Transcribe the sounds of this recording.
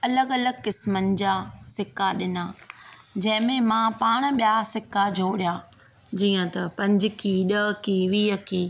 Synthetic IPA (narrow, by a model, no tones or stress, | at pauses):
ɐləɡɐləɡ̚kɪsmənɪ̆d͡ʑaːsɪkaɗɪnaː | d͡ʑɐ̃ɦɪ̃mẽmãpaːɽ̃̆ɓijasɪkad͡ʑʱoːɽjaː | d͡ʑiːə̃t̪ɐpɐ̃ɲd͡ʑɪkiɗɐkiːʋiːəkiː